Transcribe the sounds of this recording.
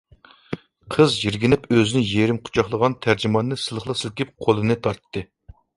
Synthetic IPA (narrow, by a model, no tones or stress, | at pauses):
qʰəzjiɾɡʲinɪpøzɪnɪjeɾɪmqʰʊ̥t͡ʃʰɑχlˠəʁɑnt̪ʰæɾd͡ʒɪmɑnːɨsɨlˠəχlˠɑsɨlˠkʲip̚qʰolˠɨnɨt̪ʰɑɾt̪ʰːɨ